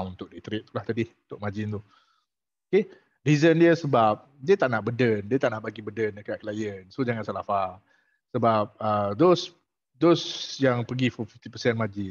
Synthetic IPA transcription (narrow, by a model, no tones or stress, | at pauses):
unt̪ʊʔ̚dit̪ɾɪʔ̚t̪ulaht̪adɪhunt̪ʊʔ̚mad͡ʒɪnt̪u | oke | rizəndiəsəbap̚ | diət̪aʔnaʔbədəndiət̪aʔnaʔbaɡibədəndəkaʔ̪̚klajənsod͡ʒaŋansalafa | səbap̚ədos | dosjaŋpəɡififift̪ipəsɛnmad͡ʒɪ